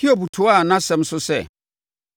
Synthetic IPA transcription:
kʰi˦o˨bu˨tʰʊ˨˦a˦˨nã˦sɛ̃˦m˦sʊ˦sɛ̰˦˨

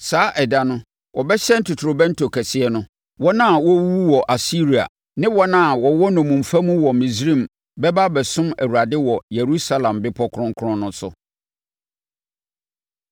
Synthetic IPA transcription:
saː˨˦ʔɛ˨da˦nʊ̃˦ | wʔɔ˨bɛ˦ɕɛ˦n̩˦tʰu˨tʰɾo˨bɛ̃˦n̩˦tʰo˨kʰɛ˨sɪ˨˦ɛ˦nʊ̃˦ | wɔ˦nã˦˨wɔ˦wu˦wɔ˨ʔa˨si˦ɾi˨a̰˨ | nɪ̃˦wɔ˦nã˦˨wɔ˨wɔ˦nɔ̃˨mũ˨m˨fa˦mũ˦wɔ˨mĩ˨sɾĩ˦˨m | bɛ˦ba˦bɛ˨sʊ̃˦mæ̰˨wu˨ɾa˨dɪ˦wɔ˨je˨ɾu˦sa˦lã˨mbɪ˦pʰɔ˦kʰʊ˦ɾʊ̃˦ŋ˦kʰʊ˦ɾʊ̃˦nʊ̃˦sʊ̰˦

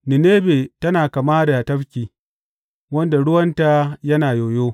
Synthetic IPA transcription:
nɪ˨neː˦beː˨tɐ˦naː˨ka˨maː˦da˨tɐ˦ɸkʲiː˨ | wɐ˦nda˨ɽʊ˦wɐ˦nta˨jɐ˦naː˨joː˨joː˦

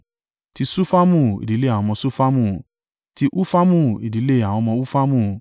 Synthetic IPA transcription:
ti˧su˦fa˦mũ˦˨ḭ˨di˨˦le˦a˨wɔ̃˧mɔ̃˧su˦fa˦mũ˦˨ | ti˧ʔu˦fa˦mũ˦˨ḭ˨di˨˦le˦˨a˨w̃ɔ̃˧mɔ̃˧u˦fa˦mũ˦˨

